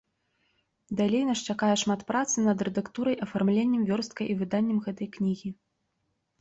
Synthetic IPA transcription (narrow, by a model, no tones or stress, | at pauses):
d̪alʲejnɐʂt͡ʂakajɛʂmat̪pɾat̪sɨnɐd̪rɛd̪akt̪uɾɐjʔɐfarmlʲenʲːɐmvʲɔrst̪̚kɐjivɨd̪anʲːɛmɣɛt̪ɐjknʲiɣʲi